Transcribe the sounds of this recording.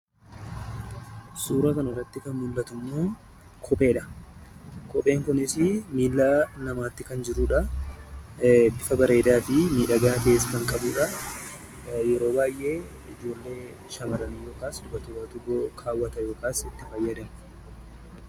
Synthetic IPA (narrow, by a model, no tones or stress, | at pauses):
suːɾɐkɐnɐɔrɐt̪ːɪkɐnmʊlːɐt̪ʊmːoː | kʰɔpʼe̞ːᶑɐ̥ | kɔpʼe̞ːŋkʊnɪsɪmiːlːaːnɐmaːt̪ːɪkɐnd͡ʒɪɾuːᶑɐ | bɪfɐbɐɾe̞ːd̪aːfɪmiːᶑɐɡaːfe̞ːskɐŋkʼɐbuːᶑɐ | jɛɾo̞ːbaːjʔe̞ː | ɪd͡ʒo̞ːlːe̞ː | ʃɐmɐɾɐnijo̞ːkaːsd̪ʊbɐt̪ʊɡɐt̪ʊɡokʰaːwːɐt̪ɐjo̞ːkaːsɪt̪ːɪfɐjːɐd̪ɐmʊ